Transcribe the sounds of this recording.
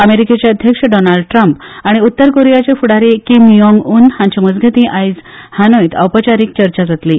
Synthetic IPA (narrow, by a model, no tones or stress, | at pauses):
əmeɾiket͡ɕjaəd̪ʱjəkʂəɖɔnaɭɖʈɾəmpaɽ̃iut̪ːəɾkoɾejat͡ɕefuɽaɾekimjɔŋɡuːnhãɲt͡ɕamud͡zɡʱet̪ĩʔajd͡zhanojt̪ə̰wpət͡ɕaɾiːk̚t͡ɕəɾt͡ɕad͡zat̪liː